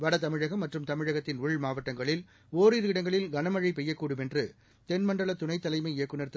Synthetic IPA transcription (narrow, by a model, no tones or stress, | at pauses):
ʋɐɽɐt̪ɐmɪɻɐɣɐmːɐʈrɯmt̪ɐmɪɻɐɣɐt̪ːɪnʊɭmaːʋɐʈːɐŋɡɐɭɪl | oːɾiɾɪɽɐŋɡɐɭɪlɡɐnɐmɐɻɐɪpɛjːɐkːuːɽɯmɛndrɯ | t̪ɛnmɐɳɖɐɭɐt̪ʊnɐɪt̪ːɐlɐɪmɐɪɪjɐkːɯnɐɾt̪ɯ